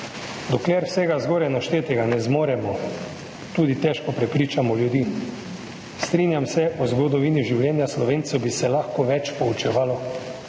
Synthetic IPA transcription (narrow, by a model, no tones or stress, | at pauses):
d̪ɔklɛɾwsɛːɡazɡoːɾɛjnaʃt̪eːt̪ɛɡanɛzmoːɾɛmɔ | t̪uːd̪it̪ɛʃkɔpɾɛpɾiːt͡ʃamɔljud̪iː | st̪ɾiːnjamsɛʔɔzɡɔd̪ɔʋiːniʒiwljɛːnjaslɔʋeːnt̪sɛwbisɛlaxkɔʋɛt͡ʃpɔut͡ʃɛʋaːlɔ